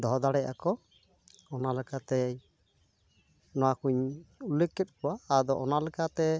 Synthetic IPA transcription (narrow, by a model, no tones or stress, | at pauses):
d̪ɔɦd̪aɽɛjʔa̰kɔ | ɔnalɛkat̪ɛ | nɔwakuɲulekːɛt̪̚ˀkɔwaːd̪ɔʔɔnalɛkat̪ɛ